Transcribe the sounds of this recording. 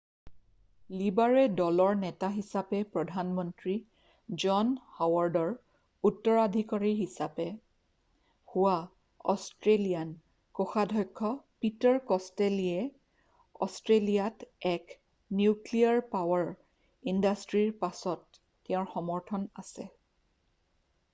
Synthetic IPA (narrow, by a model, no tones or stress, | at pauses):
libaɹɛdɔlɔɹnɛtaɦisapɛpɹɔdʱanmɔntɹi | d͡ʒɔnhawaɹdɔɹ | utːɔɹadʱikaɹiɹɦisapɛ | huwa | ɔ̰stɹelijan | koxadʱɔjkʰːɔpitɔɹkɔsteliɛ | ɔ̰stɹelijatɛk | njukliaɹpawaɹ | indastɹiɹpasɔtː | ɛʊ̃ɹxɔmɔɹtʰɔnasɛ̰